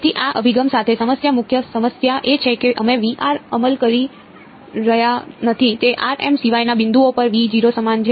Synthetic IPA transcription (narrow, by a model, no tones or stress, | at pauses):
t̪ʰiʔaʔəbʱiɡəmsat̪ʰesəməsjamʊkʰjəsəməsjaʔet͡ʃʰekeʔəmẽʋiʔaɾəməlkəɾi | ɾəɦjanət̪ʰit̪eʔaɾḛmsiʋajnabɪ̃nd̪uopəɾʋid͡ʒiɾosəmand͡ʒʰ